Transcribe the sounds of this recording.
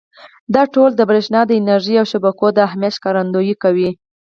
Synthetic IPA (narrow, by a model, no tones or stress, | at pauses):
d̪ɑʈold̪əbɾeʃnɑd̪əɪnaɾʒiawʃabakod̪əaɦmjat̪ʃkɑɾand̪ojikawi